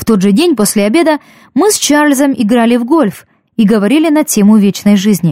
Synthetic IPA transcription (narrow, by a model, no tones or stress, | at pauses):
ft̪o̞d̪ʐɨdʲenʲposʲlʲɪɐbʲe̞d̪ə | mɨst͡ɕarlʲzəmɪɡɾalʲɪvɡo̞lʲf | iɡəvɐɾʲilʲɪnɐtʲe̞mʊvʲet͡ɕnəjʐɨzʲnʲɪ